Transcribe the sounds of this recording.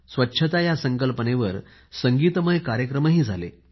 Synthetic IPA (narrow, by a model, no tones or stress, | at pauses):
sʋətːɕʰət̪ajasəŋkəlpəneʋəɾ | səŋɡiːt̪əməjkaɾjəkɾəməɦiːd͡zʱalḛ